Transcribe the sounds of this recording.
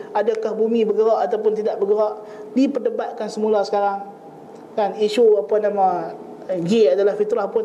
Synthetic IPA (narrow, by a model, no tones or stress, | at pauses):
adakahbumibəɡəɾɔʔat̪awp̬ʊnt̪idaʔbəɡəɾɔʔ | dipərdəbat̪̚kansəmulasə̥kaɾaŋ | kaniʃuapanamã | ɡiadalahfit̪ɾahpʊn